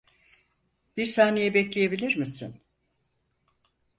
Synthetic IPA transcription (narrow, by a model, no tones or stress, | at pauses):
biɾsaːnejɛbɛclʲejebilʲiɾmisin